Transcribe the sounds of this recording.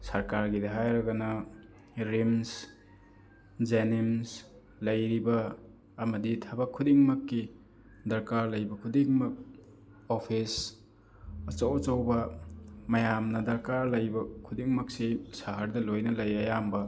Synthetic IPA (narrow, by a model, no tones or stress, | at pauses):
sɐɾkaɾɡidɐɦajɾɐɡɐnɐ | ɾims | d͡ʒenims | lɐjɾibɐː | mɐditʰabɐkʰːudiŋmɐkːi | dɐɾkaɾlɐjbɐkʰudiŋmɐk̚ | opʰis | ɐt͡ʃɐwt͡ʃɐwbɐmɐjamnɐdɐɾkaɾlɐjbɐkʰudiŋmɐk̚sisaɦɐɾdɐlojnɐlɐjɐjambɐ